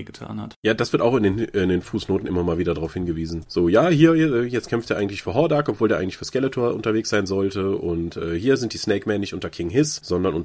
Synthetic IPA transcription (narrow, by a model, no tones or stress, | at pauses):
ɡətʰa̰ːnha̰tjaːdasv̥ɪɐtaʊxɪndeːnɪndeːnfuːsnoːtn̩ʔɪ̰mɐmaːlviːdɐdaʁaʊfhɪnɡəviːzn̩z̥oːjaːhiːɐʔɛːjɛt͡stkʰɛmftd̥eɐaɪɡŋ̩tlɪçfyːɐɦɔɐdaːkʔɔpvoːldeːaɪŋ̩lɪ̥çfyːɐskɛlətʰoɐʔʊ̰ntɐveːksz̥aɪnzɔltəʔʊntʔɛːhiːɐzɪnt̚d̥iːsneɪkmɛnːɪçtʔʊntɐkʰɪŋɦɪsz̥ɔndɐnʔʊ